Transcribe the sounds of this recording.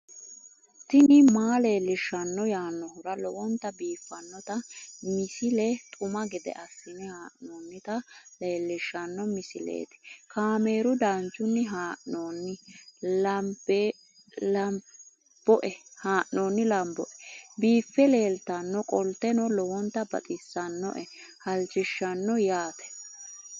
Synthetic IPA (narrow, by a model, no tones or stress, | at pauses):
t̪ɪnɪmaːle̞ːlːɪʃːɐnːɔjaːnːɔɦʊɾɐlɔwɔnt̪ɐbiːfːɐnːɔt̪ɐmɪsɪlɛt̪ʼʊmɐɡɪd̪ɛ̰ʔɐsːɪnɪhaːʔnoːnːɪt̪ɐle̞ːlːɪʃːɐnːɔmɪsɪlḛːt̪ɪ̥kaːme̞ːɾʊd̪aːnt͡ʃːʊnːɪɦaːʔnoːnːɪlɐbe | lɐ | b̥ɔʔɛhaːʔːoːnːɪlɐmbɔʔɛbiːfːɛleːlt̪ɐnːɔkʼɔlt̪ɛnɔlɔwɔnt̪ːɐbɐt̪ʼɪsːɐnːɔ̰ʔɛhɐlt͡ʃːɪʃːɐnːɔjaːt̪ɛ̥